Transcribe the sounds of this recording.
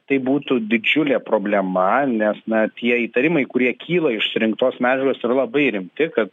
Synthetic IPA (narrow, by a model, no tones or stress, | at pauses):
t̪ɐɪbuːt̪ʊd̪ʲɪd͡ʒʲʊlʲeːpɾoːbʲlʲɛmɐnʲɛsnɐt̪ʲiɛiːt̪ɐɾʲɪmɐɪkʊɾʲiɛkʲʰiːlˠɐɪʃsʊɾʲɪŋk̚t̪oːsmʲæːd͡ʒʲɛɾʲoːsiɾɐlˠɐbɐɪɾʲɪmʲt̪ʲɪkɐt̪̚